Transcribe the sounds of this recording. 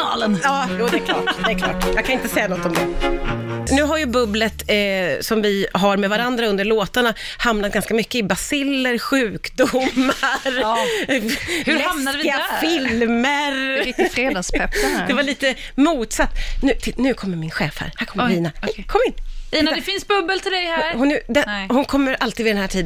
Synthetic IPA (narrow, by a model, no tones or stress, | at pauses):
ɑːlənjɑːjuːd̪ɛkl̰ːd̪ɛkʰlɔ̰ːjɑːɡkʰanɪnt̪əsɛjːanɔt̪ːɔmd̪ɛ | nʉ̟ːɦaɾjɵbɵblət̪sɔmvɪɦaɾmɛvaɾand̪ɾaɵnd̪əɭoːt̪aɳa | hamnat̪̚ɡ̥anskamʏkːəɪbasɪlːəɾɧʉ̟ːkd̪ʊmːaɾ | hʉɾamnad̪əvɪɪafɪlməɾfɾeːd̪ɑspʰɛpːd̪ɛvaɭiːt̪ə | muːt̪sat̪ːnʉ̟ːt̪ʰɪlnʉ̟ːkʰɔmːəɾmɪnɧɛ̰ːfhæ̰ɾhæɾkʰɔmiːnahɛkʰɔmːɪnt̪əiːnd̪ɛfɪnsbɵbːəlt̪ʰɪld̪ɛjhæɾhʊnd̪ɛhʊnkʰɔmːəɾʔalt̪iːd̪vɪd̪ɛnhæːʈʰiːd̪